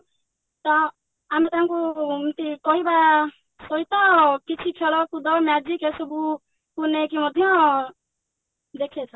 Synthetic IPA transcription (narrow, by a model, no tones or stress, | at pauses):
t̪ɔ | amet̪ãŋkumt̪ikɔɦiba | soit̪ɔkit͡ʃʰikʰeɭɔkud̪ɔmad͡ʒikesɔbu | kunekimɔd̪ʱjɔ̃ | d̪ekʰet͡ʃʰɔ